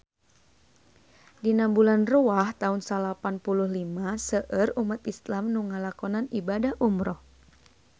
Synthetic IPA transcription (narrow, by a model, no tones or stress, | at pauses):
dinambulanruaht̪aunsalapanpuluhlimasəʔərumat̪islamnuŋalakɔnanibadahʔumɾɔh